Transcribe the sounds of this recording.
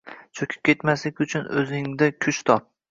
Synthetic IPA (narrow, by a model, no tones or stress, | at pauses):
t͡ʃʰokʲʰɪ̥p̚kʲʰe̞t̪maslɪkʲʊt͡ʃʰʊnɵzɪŋd̪akʲʰʊʃt̪ʰɒp̚